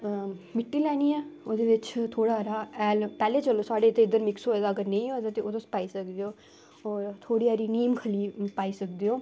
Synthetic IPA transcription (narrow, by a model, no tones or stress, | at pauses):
mɪʈːilɛːniɛːod̪eʋɪt͡ʃt̪ʰoːɽaɾaːɛːlpɛːlet͡ʃəloːsaːɽet̪eɪd̪əɾmɪksɦoːed̪aəɡəɾnẽĩɦoːd̪at̪eot̪ospaːisəkd̪ejoː | ɔːɾt̪ʰoːɽiaːɾiːniːmkʰəliːpaːisəkd̪ejoː